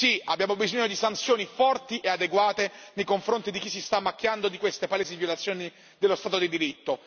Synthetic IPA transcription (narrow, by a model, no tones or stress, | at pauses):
siabːjaːmobizoɲːod̪isant̪sjoːnifɔrt̪iʔead̪eɡwaːt̪enejkoɱfɾont̪id̪ik̟isːist̪amːakːjand̪od̪ikwest̪epaleːz̬ivjolat̪sjoːni | d̪elːost̪aːt̪od̪id̪iɾit̪ːo